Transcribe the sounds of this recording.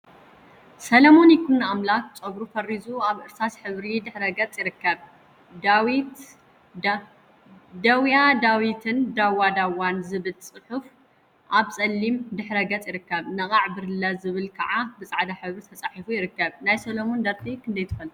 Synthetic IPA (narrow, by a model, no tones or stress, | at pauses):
sɐlɐmo̞nikʰunːaamlak̪̚t͡sʼɐɡɾufɐrizuaβʔɨɾsʰasħɨβɾid̪ɨħɾɐɡɐt͡sʼjɪɾɨkːɐβ | d̪awit̪ | d̪ɐwjad̪awit̪ʰɨnd̪awːad̪awanzɨβɨlt͡sʼɨħuf | ʔaβsʼɐlːimd̪ɨħɾɐɡɐt͡sʼjɪɾɨkːɐβnɐkʼaʕbɨɾɨlɐzɨβɨlkʰɐʕabɨt͡sʼaʕd̪aħɨβɾit̪ʰɐt͡sʼaħifujɪɾɨkːɐβnajsɐlɐmond̪ɐɾt̪ʼikʰɨnd̪ɐjt̪ʰɨfɐl